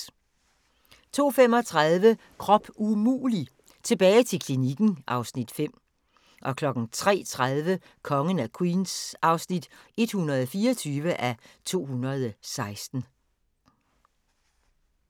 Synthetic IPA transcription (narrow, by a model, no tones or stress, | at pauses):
t͡sʰo̝̰ːfem̰ɒ̽t͡sʰʁað̞ˠʋə | kʰʁɒ̽b̥umṵːli | t͡sʰe̝b̥ɛːɪt͡sʰe̝kʰliniɡ̥n̩ʔɑ̈ʊsnid̥fem̰ | ʔɒ̽kʰlɒ̽ɡ̥n̩t͡sʰʁɛ̰ːt͡sʰʁað̞ˠʋə | kʰɒ̽ŋənækʰwiːnsɑ̈ʊsnid̥e̝d̥hunɐðˠɒfiːɐt͡sʰyːʋəʔæt͡sʰo̝̰ːhunɐð̞ˠsɑ̈ɪsd̥n̩